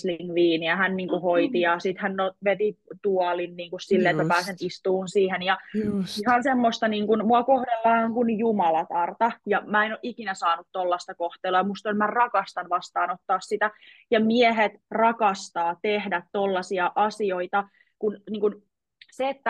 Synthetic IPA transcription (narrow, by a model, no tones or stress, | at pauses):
sliŋʋiːniæhænniːŋkuhoit̪ijɑsit̪hænnoʋet̪it̪uɑlinniːŋkussilːeet̪mæpæːsenist̪uːnsiːhenjɑihɑnsemːost̪ɑniːŋkunmuɑkohdelːɑːoŋkunjumɑlɑt̪ɑrt̪ɑjɑmæːenoʔikinæsɑːnut̪t̪olːɑst̪ɑkoht̪eːluɑmust̪onmærɑkɑst̪ɑnʋɑst̪ɑːnot̪ːɑːssit̪æ | jɑmieɦet̪rɑkɑst̪ɑːt̪ehdæt̪tolːɑsiɑʔɑsioit̪ɑ | kunniːŋkun | seːt̪ːæ